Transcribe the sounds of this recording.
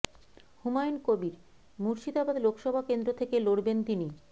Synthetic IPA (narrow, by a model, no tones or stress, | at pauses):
humajnkobiɾ | muɾʃid̪abad̪lokʃɔbʱakend̪ɾot̪ʰekeloɽbent̪ini